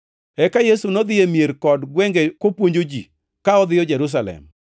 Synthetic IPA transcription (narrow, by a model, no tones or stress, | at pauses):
ɛkajesunɔd̪ɪjemjeɾkɔdɡwɛŋɡekopwoɲd͡ʒod͡ʒḭ | kaɔd̪ɪjɔd͡ʒeɾus̬alɛ̰m